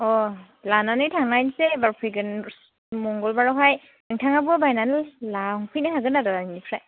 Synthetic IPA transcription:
ɔ | lananɯjtʰaŋajnsɛbaɹpʰiɡɯn | mɔŋɡɔlbaɹɔɦaj | ɯŋtʰaŋabuabajnanllaŋpʰɯjnaɦaɡɯnadadaninipʰɹaj

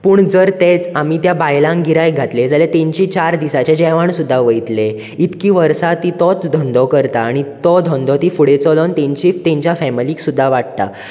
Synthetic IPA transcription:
puːɳd͡zəɾt̪et͡samit̪jabajlãŋɡiɾajɡʱat̪led͡zalet̪ẽɲt͡ɕiːt͡ɕaɾd̪isat͡ɕad͡ʑɛʋaɳsud̪ʱːaʋəjt̪le | it̪kiːʋəɾsat̪iːt̪ɔt͡sd̪ʱɔnd̪ʱɔkəɾt̪aːɽ̃it̪ɔd̪ʱɔnd̪ʱɔt̪iːfuɽet͡sɔlɔnt̪ẽɲt͡ɕiːft̪ẽɲt͡ɕjafɛmiliːksud̪ʱːaʋaʈ̚t̪a̰

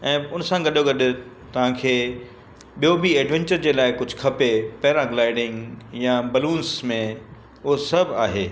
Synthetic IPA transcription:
ɛ̃ːʊnsãɡɐɗoɡɐɗɪ̆ | t̪ɐʋ̤ãkʰeː | ɓijobieːɖʋẽɲt͡ɕəɾd͡ʑeːlaːɪkʊd͡ʑʱʊkʰɐpepɐɦɪɾãɡlaːɪɖɪ̃ŋɡjabɐlũːnsmẽ | ʊɦosɐbʱaːɦeː

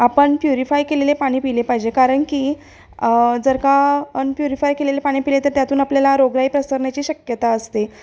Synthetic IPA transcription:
apəɳpjuɾifajkelelepaɽ̃iːpilepaɦid͡ʑekaɾəɳkiː | d͡zəɾkaəɳpjuɾifajkelelepaɽ̃iːpilet̪əɾt̪jat̪uːnapljalaɾoɡɾaiːpɾəsəɾɳjat͡ɕiːɕəkjət̪aəst̪e

